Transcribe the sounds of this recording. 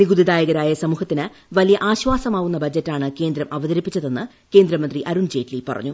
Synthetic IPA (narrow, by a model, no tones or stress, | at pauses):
niɡud̪id̪aːjɐɣɐɾaːjɐsɐmuːhɐt̪ːinɨ | ʋɐlijɐʔaːɕʋaːsɐmaːʋunːɐbɐd͡ʑɐtːaːɳɨke̞ːnd̪ɾɐmʔɐʋɐðɐɾipːit͡ɕːɐðe̞nːɨ | keːnd̪ɾɐmɐnd̪riʔɐɾund͡ʑe̞ːtlipɐ̰rɐ̰ɲːu